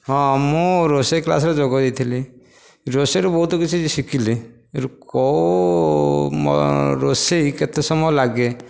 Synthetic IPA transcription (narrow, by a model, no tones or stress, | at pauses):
ɦɔ̃amuɾosekla̰sɾɔd͡ʒɔɡɔd̪it̪ʰili | ɾoseɾɔbɔɦut̪ɔkit͡ʃʰid͡ʒisikili | ɾkɔ | mɔ̰ɾoseket̪esɔmɔjlaɡe